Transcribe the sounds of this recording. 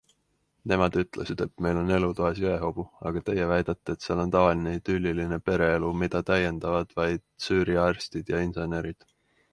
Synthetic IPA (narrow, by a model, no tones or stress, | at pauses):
ne̞mɑd̪̥yt̪ːˑle̞sid̪̥et̪me̞jlo̞ne̞lut̪oesoeɦo̞b̥uɑ̰ɡ̥ɑt̪e̞jevæjd̪̥ɑt̪ːeːt̪sɑlo̞nt̪ɑvɑlineit̪ylʲːiline̞pe̞ɾe̞elumid̪̥ɑt̪æje̞nd̪̥ɑvɑd̪̥vɑjd̪̥syːɾiɑrst̪id̪̥jɑinse̞ne̞ɾid̪̥